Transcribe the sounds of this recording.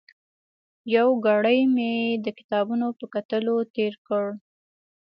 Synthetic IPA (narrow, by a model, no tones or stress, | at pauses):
jawɡɑɽəjmed̪əkɪ̥t̪ɑbunopəkat̪əlot̪eɾkəɽ